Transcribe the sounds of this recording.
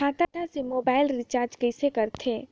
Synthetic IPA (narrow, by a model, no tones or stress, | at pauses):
aːt̪at̪asemoːbaːɪlɾɪt͡ʃaːɾd͡ʒkɐɪsekɐɾt̪ʰeː